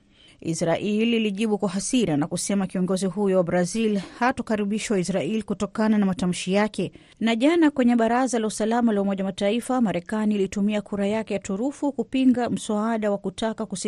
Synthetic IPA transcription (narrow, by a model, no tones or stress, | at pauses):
ʔḭsɾaʔilːliʄiɓukwaɦasiɾanakusɛmakiɔŋɡɔziɦujɔwabɾazilhatɔkaɾiɓiʃawaisɾailikutɔkananamatam̩ʃijakɛ | naʄanakwɛɲɛɓaɾazalausalamalaumɔʄamataifamaɾɛkaniːlitumiakʰuɾajakɛjatuɾufukupiŋɡam̩saaɗawakutakakusi